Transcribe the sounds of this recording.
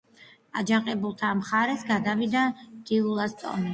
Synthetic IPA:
ad͡ʒaɴqʼɛbulˠt̪ʰamχaɾɛsɡad̪avid̪ad̪̥iulˠast̪ʼɔ̰ni

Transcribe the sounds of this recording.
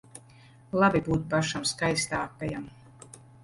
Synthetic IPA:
lˠabibuːt̪̚paʃamskajst̪aːkɛjam

